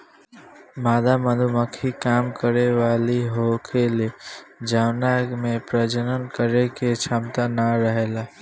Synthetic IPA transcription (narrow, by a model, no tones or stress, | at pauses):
maːd̪aməd̪ʱuməkʰikaːmkəɾeʋaːliɦokʰeled͡ʒawnamẽpɾəd͡ʒənənkəɾeket͡ʃʰamt̪anaɾəɦela